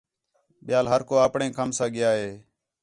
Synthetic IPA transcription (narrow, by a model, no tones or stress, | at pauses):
ɓɪjaːlɦəɾkoːaːpɳẽːkəmsãːɠɪjaːɦeː